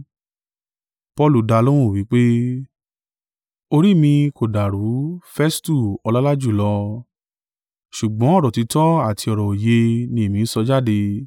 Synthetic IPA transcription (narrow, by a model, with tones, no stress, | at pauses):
pɔ˧lu˨da˧lo˦ɾ̃ũ˦˨wi˨˦k͡pe˦ | o˧ɾi˦˨mĩ˧ko˨da˨ɾu˨˦fɛ˦stu˦˨ɔ˧la˦la˦d͡ʒu˦˨lɔ˧ | ʃu˨ɡ͡bɔ̃˨˦ɔ˦˨ɾɔ˨ti˧tɔ̃˦a˦˨tʰi˧ɔ˨ɾɔ˨o˨je˧nĩ˧e˨mĩ˨˧n̩˦sɔ˧d͡ʒa˦˨de˧